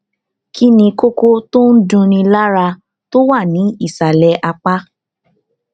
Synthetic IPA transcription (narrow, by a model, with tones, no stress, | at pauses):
ki˦nĩ˧ko˦ko˦to˦n̩˦dũ˧nĩ˧la˦ɾa˧ | to˦wa˦˨nĩ˨˦i˦˨sa˨lɛ˧˦ʔa˧k͡pa˦